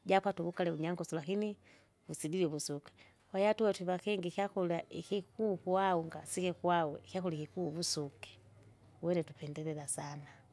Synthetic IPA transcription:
ɟapwatuβukalɛuɲaŋɡɔsulakini | vusidilɛβusukɛ̥ | wajatuwɛtwiβakɛŋɡikjakulaʔikikuːkuauŋɡasikɛkuawɛkjakulikikuβusukɛ̥ | wɛnɛtupɛndɛlɛlasana

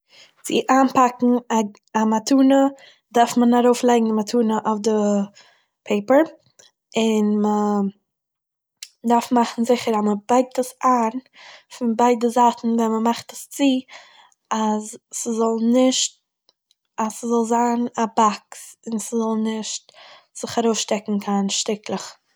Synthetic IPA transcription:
t͡sɪ̰ʔaːnpakŋ̩a | amatʰuːnə | daɾfmənaɾoʊflˠaɪɡŋ̩dəmatʰuːnəʔɔfdə | pʰeɪpəɾ | ɪnmə | daɾfmaχn̩zɪχəɾaməbaɪk̚təsaːn | fɪnbaɪdəzaːtn̩vɛnməmaχtəst͡si | azːəzɔlˠnɪʃt̚ | asəzɔlˠzaːnabaksɪnsəzɔlˠnɪʃt | z̥ɪχaɾoʊsʃtɛkŋ̩kʰanʃtɪklˠəχ

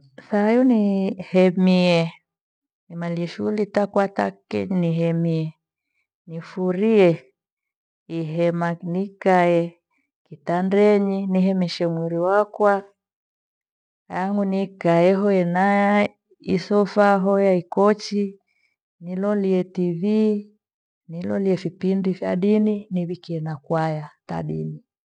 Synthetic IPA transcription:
sajɔnihɛmiɛ | nimaliɛʃuulitakwata̰kɛ̰ɲiniɦɛmiɛ | nifuɾiɛ | iɦɛmanikajɛ | kitandɛɲiniɦɛmɛʃɛŋwiɾiwakwa | aŋunikaɛɦɔjɛnaja | isɔfaɦɔjaikɔt͡ʃi | nilɔliɛtivi | nilɔliɛfipindifja̰ɗininiβikiɛnakwajata̰ɗḭni

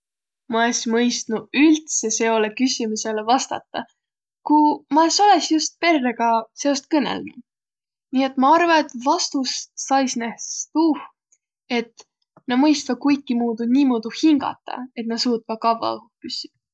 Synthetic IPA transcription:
mɑlesimɤjst̪nuylt̪se̞se̞o̞lekysʲimuse̞levɑst̪ɑ̰t̪ːˑɑ | kumɑeso̞lesjust̪̚pe̞rːeɡ̥ɑse̞o̞st̪̚kɤnḛlnu | nʲiːe̞t̪ːmɑɑrvɑet̪vɑst̪ussɑjsnehst̪uh | e̞t̪ː | nɑmɤjst̪vɑkujkːimuːd̪unʲiːmod̪̥uhiŋɡ̥ɑ̰t̪ˑːɑ̰e̞t̪nɑsuːt̪̚vɑkɑvɑ̰upysʲːi̥

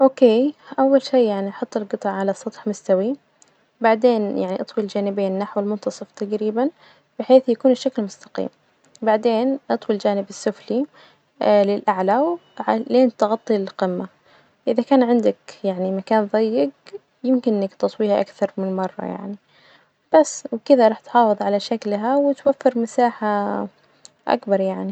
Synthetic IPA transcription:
ʔoːkeːʔawːalʃiːaʕniʔɑħʊt̪ˤːlɡɨt̪ˤɑʕʕalasˤːɑt̪ˤħmʊst̪awi | baʕd̪eːnjaʕniʔɑt̪ˤwild͡ʒaːnɪbeːnnːaħwɪlmʊnt̪ɑsˤɨft̪aɡɾiːban | b̥ɪħeːθjakuːnɪʃːaklmʊst̪ḁqḭːm | baʕd̪eːnʔɑt̪ˤwild͡ʒaːnɪbɪsːʊfli | lɪlʔaʕlawʕaleːnt̪ɣɑt̪ˤːilɪlqɪmːa | ʔɪðakaːnʕɪnd̪akjaʕnimakaːnðˤɑjːɪɡ | jɪmkɪnʔɪnːakt̪ɑsˤwiːhaʔakθɑɾˤmɪnmɑrˤːɑ̰ja̰ʕni | b̥asːwkɪd̪aɾˤɑːħt̪ħɑːfɨðˤʕalaʃaklɦawɪt̪wafːɪɾmasaːħa | ʔa̰kbɑɾˤjaʕni

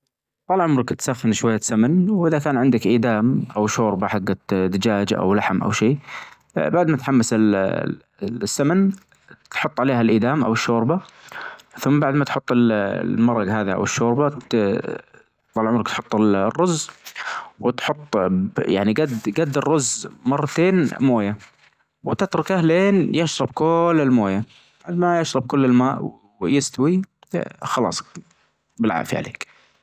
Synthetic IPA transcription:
t̪ˤɑlʕʊmɾˤɪkt̪saxːɪnʃwajːsamanwʔɪðakaːnʕɪnd̪akʔiːd̪aːmʔawʃoːɾbaħaɡːad̪ɪd͡ʒaːd͡ʒʔa̰wlaħmʔa̰wʃiː | baʕd̪mat̪ħamːɪsɪl | sːamɪn | t̪ħʊt̪ˤːʕaleːhalʔiːd̪aːmʔa̰wɪʃːoːɾba | θʊmːbaʕd̪mat̪ħʊt̪ˤːɪllmɑɾˤːɑɡɦaːðiʔa̰wɪʃːoːɾba | ɑlʕʊmːnakt̪ħʊt̪ˤːɪlrːʊzː | wɪt̪ħʊt̪ˤːja̰ʕniɡad̪ɡad̪ːɪrːʊzːmɑrˤːɑt̪eːnmoːja | wɪt̪ɪt̪ɾˤʊkʔahleːnjɪʃɾˤɑbkʊlːɪlmoːja | baʕd̪majaʃɾˤɑb̚kʊlːɪlmaːʔw | jɪst̪awi | xɑlɑ̰ːsˤ | bɪlʕa̰ːʔfḭʕa̰lḛːk

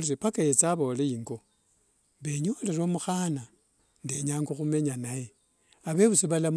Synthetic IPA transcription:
liɾepakajet͡saβo̞ːleiŋɡo̞ | βe̞ɲoleɾomuxana | ndeɲaːŋɡoxume̞ɲanaje | aβe̞βusiβalam

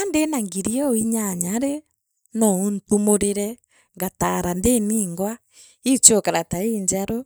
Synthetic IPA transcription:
andenaŋɡiɾiɛoiɲaɲaɾe | nɔuntumoɾeɾɛ | ŋɡataɾandeniːŋɡwa | it͡ʃokaɾataeɲd͡ʒaɾɔ

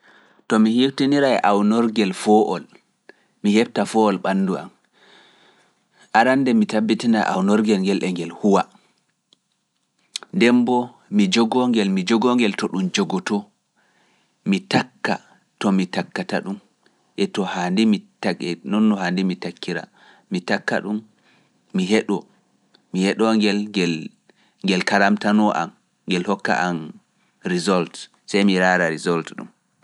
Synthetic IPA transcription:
tɔmihiftiniɾaɛʔawnɔɾɡɛlfɔʔɔ̰l | mihɛb̚tafɔɔlɓanːdua̰m | ʔaɾandɛmitabːitina̰ʔa̰wnɔɾɡɛlŋɡɛlʔɛŋɡɛlhuwa | ndɛmbɔ | mid͡ʒɔɡɔŋɡɛlmid͡ʒɔɡɔŋɡɛltɔɗumd͡ʒɔɡɔtɔ | mitakːa̰ | tɔmitakːataɗum | ʔɛtɔhandimitaɛnɔnːɔhandimitakːiɾa̰ | mitakːa̰ɗumː | iɦɛɗɔ | mihɛɗɔŋɡɛlŋɡɛl | ŋɡɛlkaɾamtanɔʔa̰m | ŋɡɛlhɔkːa̰ʔan | ɾizɔlt | sɛjmiɾaːɾaɾizɔltɗṵm

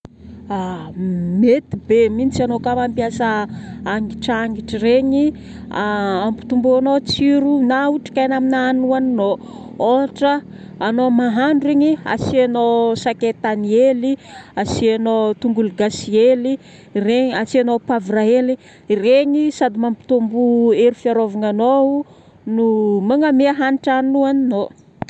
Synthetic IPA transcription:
a | met̪ibeminit͡sianokamampiasaaŋɡiʈ͡ʂaŋɡiʈ͡ʂireɲi | aampi̥t̪umbuanot͡siɾunauʈ͡ʂi̥kajnaminaːnuanno | oɦaʈ͡ʂəː | nomaɦaɳɖ͡ʐueɲia̰sianosaket̪anieliasianot̪uŋɡulɡasieli | reɲiasianopavɾaeli | reɲisad̪imampi̥t̪umbueɾufiaɾovaŋanou | numaŋameaɦaniʈ͡ʂanuanino

